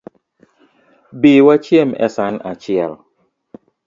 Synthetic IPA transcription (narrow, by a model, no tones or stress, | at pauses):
biwat͡ʃjɛmɛ̰sanat͡ʃɪɛl